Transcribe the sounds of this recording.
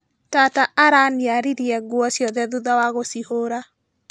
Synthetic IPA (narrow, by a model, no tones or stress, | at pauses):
tataʔaɾaniaɾiɾiɛɣwɔsjɔðɛðuðawaɣosihoɾa